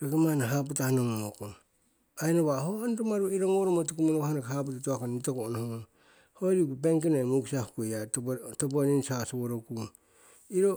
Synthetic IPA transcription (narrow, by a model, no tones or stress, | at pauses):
ɾokemanaɦap̬utahanoŋomokon | ainoβahoanɾomaɾuiɾoŋoɾomotukumunoahanekahap̬utatuakonitokoʔnohoo | hoɾikupeŋkenamuksahukujatop̬oninsasoβoɾokun | iɾo